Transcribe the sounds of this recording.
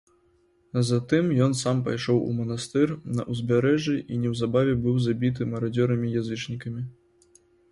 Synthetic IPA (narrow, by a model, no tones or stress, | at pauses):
zat̪ɨmjɔnsampa̰jʂɔwṵmɐnast̪ɨrnɐ̰ʔuzʲbʲaɾɛʐiʔinʲɛwzabavʲɛbɨwzabʲit̪̬ɨmɐɾad͡zʲɔɾɐmʲijazɨt͡ʂnʲikɐmʲi